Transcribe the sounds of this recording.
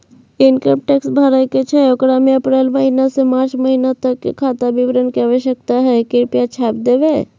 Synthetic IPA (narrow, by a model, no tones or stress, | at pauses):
ɪnkəmʈeksbʱaɾajket͡ʃʰɛokɾamiəpɾelməɦinasemaːɾt͡ʃməɦinat̪əkːkʰːat̪aʋiʋɾənkɛʋeʃək̚t̪aɦɛkɪɾpijat͡ʃʰaːpd̪eːʋe